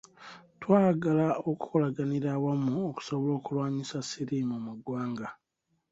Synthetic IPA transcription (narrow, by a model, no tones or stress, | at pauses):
twaːɡalaoku̥ko̞laɡaniɾawamuoku̥soβolo̞ːkulwaːɲisasiɾimumuɡwaːŋɡa